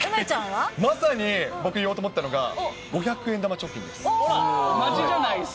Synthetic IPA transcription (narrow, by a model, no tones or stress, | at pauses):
t͡ɕãamasaɲ̟ibo̞kɯijot̪omot̪ːano̞ɡa̰ | ɡo̞çakɯ̟end̪amat͡ɕokʲːḭ̃nd̪e̞sɨ̥ | maid͡ʒanai